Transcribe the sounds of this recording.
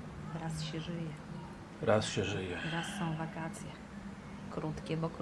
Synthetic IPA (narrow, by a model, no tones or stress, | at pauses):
ɾasɕɛʐɘjɛ | ɾasɕɛʐɘjɛɾasːɔ̃w̃vakat̪sʲjɛ | kɾut̪kʲɛbɔk